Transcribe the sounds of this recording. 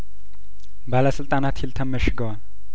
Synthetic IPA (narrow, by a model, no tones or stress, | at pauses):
baləsɨlt̪ʼanat̪hilt̪ʰɐmːəʃɡɐwa